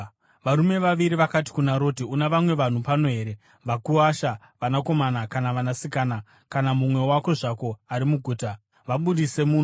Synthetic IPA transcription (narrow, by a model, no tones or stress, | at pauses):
ʋaɾume̞ʋaʋiɾiʋakati̥kunaɾo̞tiunaʋamwe̞ʋan̤upano̞ɦe̞ːɾe̞ | ʋakuaʃa | ʋanako̞manakanaʋanasikaːna | kanamumwe̞wako̞ʐako̞aɾimuɡʱuːta | ʋaɓuɗise̞muːno